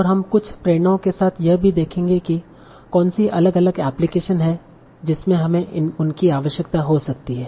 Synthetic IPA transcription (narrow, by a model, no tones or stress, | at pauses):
ɔːɾɦɐmkʊt͡ʃʰpɾeːɽ̃õkesaːt̪ʰjɐɦbʱid̪eːkʰẽːŋɡeki | kɔːnsiʔɐləɡɐləɡɛːplɪkeːʃənɦɛ | d͡ʒɪsmẽɦɐmẽɪʊnkiaːʋəʃjək̚t̪aɦosɐk̚t̪iɦɛː